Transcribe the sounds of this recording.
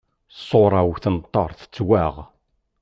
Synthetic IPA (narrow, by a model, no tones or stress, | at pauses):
sˤoɾˤɑwθənt̪ˤːəɾˤθə̥t͡sːwæʁ